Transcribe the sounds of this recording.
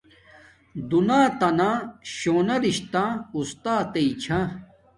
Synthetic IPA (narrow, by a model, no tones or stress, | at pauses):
d̪unaːt̪ɐnãːɕoːnɐɾiɕt̪ãːust̪aːt̪eit͡ɕʰã